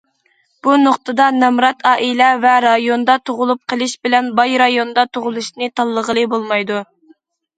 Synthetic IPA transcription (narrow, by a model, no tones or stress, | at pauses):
b̥unoqt̪ʰɨd̪ɑnɛmɾɑt̪ʰɑːʔilɛvɛɾɑjond̪ɑt̪ʰoʁʊlˠup̚qʰəlˠɪʃbɪlɛnbɑjɾɑjond̪ɑt̪ʰoʁʊlˠuʃnɨt̪ʰɑlˠːəʁəlˠɨbolˠmɑjd̪u